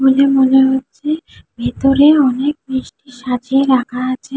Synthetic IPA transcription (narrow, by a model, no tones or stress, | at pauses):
bolemoleɦotːɕʰebʱet̪oɾeɔnek̚nɾiʃʈiʃad͡ʑieɾakʰaat͡ɕʰe